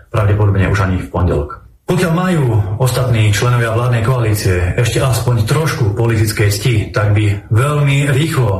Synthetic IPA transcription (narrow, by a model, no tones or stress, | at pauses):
pɾaʊɟɛpɔd̪ɔbɲɛʔuʒaɲifpɔɲɟɛ̰lɔ̰k | pɔkɪalmajuːɔst̪at̪niːt͡ʃlɛnɔʋɪaʋlaːd̪nɛjkɔaliːt͡siɛɛʃcɛʔaspɔɲt̪ɾɔʃkupɔlit̪it͡skɛjscit̪aɡ̚biʋɛʎmiɾiːxlɔ